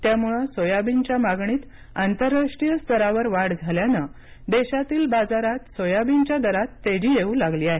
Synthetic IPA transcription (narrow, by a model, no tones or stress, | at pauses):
t̪jamuɭəsojabiɲt͡ɕjamaɡɳiːt̪ | ant̪əɾːaʂʈɾijəst̪ʰəɾaʋəɾʋaɽd͡zʱaljanə | d̪eɕat̪iːlbad͡zaɾat̪sojabiɲt͡ɕjad̪əɾat̪ːed͡ʑijeũlaɡliːaɦe